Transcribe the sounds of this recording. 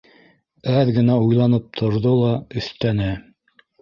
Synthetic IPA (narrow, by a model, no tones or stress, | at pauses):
æðɡɘ̆næujlˠɑnɤp̚t̪ʰŏɾðolˠɑɵ̆θt̪ænɘ